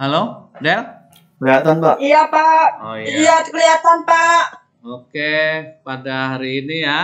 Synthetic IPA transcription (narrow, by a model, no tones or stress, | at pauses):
halodɛl | bəɾat̪anpaʔijapaʔoijat̪kəliat̪anpaʔ | okepadaɦaɾiːnija